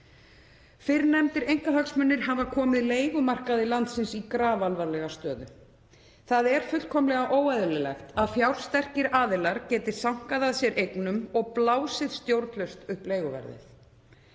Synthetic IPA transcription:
fɪɾnɛmt̪ɪɾejŋ̥kaɦaksmʏnːɪɾ̥ɦavakʰɔːmɪðleːjɣʏmar̥kaðɪlant̪sɪnsikɾaːvalvaɾlɛɣast̪œːðʏ | θaðɛɾ̥fʏl̥kʰɔmlɛɣaʔoːwajðʏlɪlɛ̰xt̪aðfjawɾ̥st̪ɛr̥cɪɾaːðɪlaɾcɛːt̪ɪ̥sawŋ̥kaðaðsjɛɾʔejknʏmɔɣplaːwsɪðst̪jowɾpʰlœɥst̪ʏhpleːjɣʏvɛ̰ɾðɪ̰θ

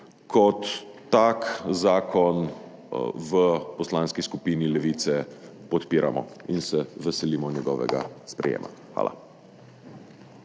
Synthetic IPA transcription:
kʰɔt̪ː | akzaːkʰɔn | ʋəpɔslaːnskiskupiːnilɛʋit̪sɛpɔt̪piːɾamɔ̰insɛʋɛsɛliːmɔnjɛɡɔ̰ːʋɛ̰ɡa̰spɾɛ̰jḛːma̰xʋa̰ːla̰

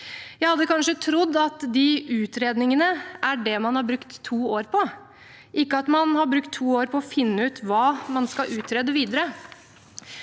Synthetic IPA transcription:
jæɪhɑd̪ːəkɑnʂət̪ʰɾʊd̪ːɑt̪d̪ɪʔʉːt̪ɾeːd̪nɪŋənəʔæɖɛmɑnhɑɾbɾʉkt̪ʰːuːoːɾpʰɔ | ʔɪkːəɑt̪mɑnhɑɾbɾʉkt̪ʰːuːoːɾpʰɔɔfɪnːəʉːt̪ʋɑːmɑnskɑʔʉːt̪ɾeːd̪əʋiːd̪əɾə

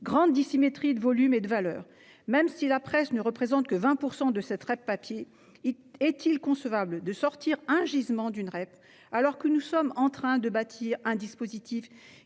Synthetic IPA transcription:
ɡʁɑ̃d̪ːisimet̪χid̪əvɔlymed̪əvalœ̰ːʁ | mɛmsilapχɛsnəʁəpχezɑ̃t̪̚kəvɛ̃puʁsɑ̃d̪əsɛt̪ʁɛpːapje | ɛt̪ilkɔ̃səvabld̪əsɔʁt̪iʁɛ̃ʒizmɑ̃d̪ynʁɛp | alɔʁkənusɔmɑ̃t̪χɛ̃d̪əbat̪ʰiʁɛ̃d̪ispozit̪ʰif

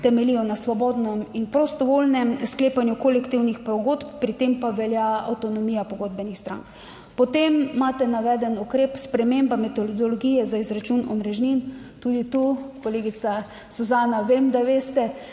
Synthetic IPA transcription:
t̪ɛmɛlijɔnasʋɔbɔːd̪nɔminpɾɔst̪ɔʋolnɛmskleːpanjukolɛkt̪iwnixpɾɔɡoːt̪pːɾit̪empaʋɛljaa̰wt̪ɔnɔmijapɔɡoːd̪bɛnixst̪ɾa̰ŋk | pɔt̪emːaːt̪ɛnaʋɛːd̪ɛnukɾeːpspɾɛmembamɛt̪old̪ɔloɡijɛzaizɾat͡ʃunɔmɾɛʒnint̪ud̪it̪ukoleːɡisa | suzaːnaʋemd̪aʋeːst̪ɛ

